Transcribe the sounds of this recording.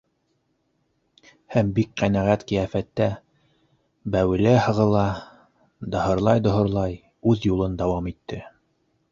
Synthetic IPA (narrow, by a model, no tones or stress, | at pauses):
hæmbik̚qænæʁæt̪qĭjæfæt̪ːæ | bæwɘ̆læhɤ̆ʁɤ̆lˠɑ | d̪ɤ̆hɤ̆ɾlˠɑjd̪ŏɦɤ̆ɾlˠɑj | ʉðjulˠɤnd̪ɑwɑmit̪ʰːɘ